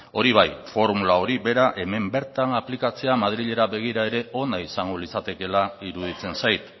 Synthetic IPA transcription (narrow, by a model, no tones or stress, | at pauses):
o̞ɾiβ̞ajfo̞ɾmulao̞ɾibe̞ɾaʔe̞me̞mbe̞ɾt̪anaplikat͡se̞amað̞ɾiʎe̞ɾaβe̞ɣ̞iɾae̞ɾe̞o̞naisaŋɡo̞lisat̪e̞ke̞laiɾuð̞it͡se̞nsajt̪